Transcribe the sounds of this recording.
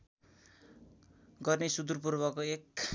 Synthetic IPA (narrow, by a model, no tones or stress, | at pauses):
ɡʌrnesud̪urp̬urbʌkoek